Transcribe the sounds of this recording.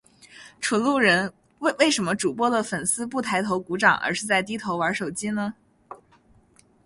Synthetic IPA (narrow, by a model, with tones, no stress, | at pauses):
ʈ͡ʂʰu˨˧˩lu˥˩ɻə˧˥n | we˥˧we˥˩ɪʂə˧˥nmə˧ʈ͡ʂu˨˩pwɔ˥d̪ə˨fə˨˩nsɹ̩˥pu˥˩t̪ʰa˧˥ɪt̪ʰo˧˥ʊku˧˥ʈ͡ʂɑ˨˩˦ŋə̰˧˥ʂɻ̩˥˧t͡sa˥˧ɪt̪̬i˥t̪ʰo˧˥ʊwa˧˥ʂo˨˩ʊt͡ɕi˥nə˨